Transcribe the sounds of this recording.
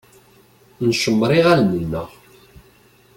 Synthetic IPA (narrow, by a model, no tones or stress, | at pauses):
nʃəmːɾˤiʁælnənːə̰ʁ